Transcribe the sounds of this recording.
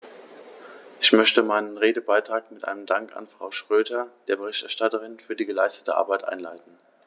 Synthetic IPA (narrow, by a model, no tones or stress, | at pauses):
ʔɪçmœçtəmaɪnənʁeːdəbaɪtʁ̥aːkmɪtʔa̰ɪnəmdaŋka̰nfʁ̥aʊʃʁ̥øːdɐd̥eːɐbəʁɪçtɛɐʃtatəʁɪnfyːɐdiːɡəlaɪstə̥təʔa̰ɐbaɪtʔa̰ɪnla̰ɪtn̩